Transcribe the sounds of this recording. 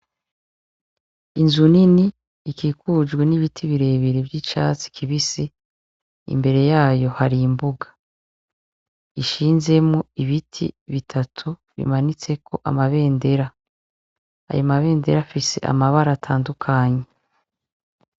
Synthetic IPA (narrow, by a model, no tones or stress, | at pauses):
inzuniniː | kikud͡ʒɡweniβitʰiβiɾe̞ːβiɾebɟit͡ʃa̰ːt͡si̥kʰiβisi | ḭmbe̞ɾe̞jaːjo̞haɾimbuɡḁ | iʃiːnze̞mŋuiβitʰḭβitʰatʰuβḭmanit͡se̞kʰo̞ʔa̰maβe̞ːnde̞ɾa | a̰jomaβe̞ːnde̞ɾafise̞̰ʔa̰maβaɾatʰaːndukʰaːɲe̞